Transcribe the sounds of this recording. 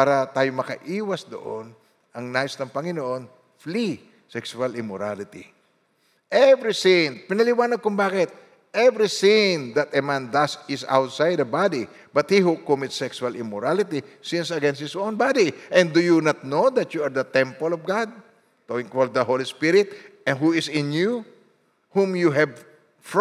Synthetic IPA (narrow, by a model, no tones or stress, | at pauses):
paːɾɐt̪aːjomɐkɐʔiːwɐsd̪o̰ʔo̰n | ʔɐŋnaːjɪsnɐŋpɐŋɪnoʔo̞n | fli | sɛksʊalɪmɔɾalɪt̪ḭ | ʔɛvɹisɪ̃ŋpɪnɐlɪwaːnɐɡ̚kʊŋbaːkɪt̪̚ | ɛvɹisɪ̃ŋd̪ɐt̪ɐmãnd̪asɪsa̰wt̪sajd̪ɐbad̪i | bɐt̪̚hiɦukɔmɪt̪sɛksualɪmɔɹalɪt̪isɪ̃nsɐɡɛ̃nst̪̚hɪsõnbad̪iʔɛ̃nd̪ujunat̪̚nod̪ɐt̪juaɹd̪ɐt̪ɛ̃mpəlɔvɡad̪̚ | t̪owɪ̃ŋkwɔl̚d̪ɐɦolispɪɾɪt̪̚ɛ̃nɦuɪsɪ̃nju | hũmjuɦɛv | f